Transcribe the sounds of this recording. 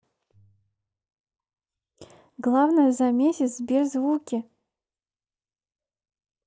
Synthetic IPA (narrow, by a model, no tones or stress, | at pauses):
ɡlˠavnəjəzamʲesʲɪt̪zbʲerzvukʲɪ